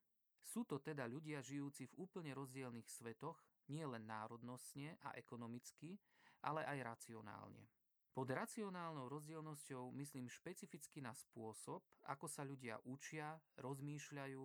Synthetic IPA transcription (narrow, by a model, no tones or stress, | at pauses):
suːt̪ɔt̪ɛd̪aʎuɟɪaʒijuːt͡sivuːpl̩ɲɛɾɔzɟɪɛlnixsʋɛt̪ɔɣ | ɲɪɛlɛnːaːɾɔd̪nɔst̪ɲɛʔa̰ʔɛkɔnɔmit͡ski | ʔalɛʔajɾat͡siɔna̰ːlɲɛ̰ | pɔd̪ɾat͡siɔnaːlnɔʊɾɔzɟɪɛlnɔscɔʊmisliːmʃpɛt͡sifit͡skinaspʊɔsɔp̚a̰kɔsaʎuɟɪa̰ʔut͡ʃɪaɾɔzmiːʃʎajuː